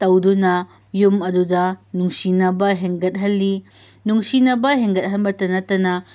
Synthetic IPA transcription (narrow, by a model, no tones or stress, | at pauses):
tɐwdunɐ | jumɐdudɐnuŋsinɐbɐɦeŋɡɐt̚ɦɐlːinuŋsinɐbɐɦeŋɡɐt̚ɦɐnbɐtɐnɐtɐnɐ